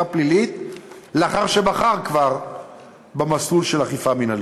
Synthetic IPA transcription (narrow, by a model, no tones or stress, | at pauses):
aplilit̪leaχaʁʃe̞baχaʁkvaʁ | bemasulʃelaχifaminal